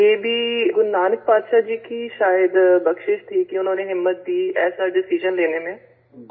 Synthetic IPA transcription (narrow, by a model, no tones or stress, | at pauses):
eːbʱiːɡʊnːaːnək̚paːd̪ʃaːd͡ʒiːkiːʃaːjəd̪bəkʃɪʃt̪ʰiːkɪʊnãːneːɦɪmːət̪̚d̪iːɛːsaːɖɪsid͡ʒənleːneːmẽː